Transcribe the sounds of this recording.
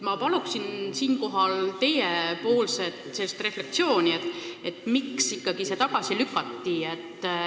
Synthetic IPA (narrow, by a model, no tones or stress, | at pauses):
mɑpɑluksinsiːnko̞ɦɑlt̪e̞jepo̞ːlse̞t̪selst̪re̞fle̞k̚t̪sio̞ːnʲiet̪e̞t̪ːˑmiksikːɑɡ̥ise̞t̪ɑɡɑsilykːˑɑt̪ːiet̪ːˑ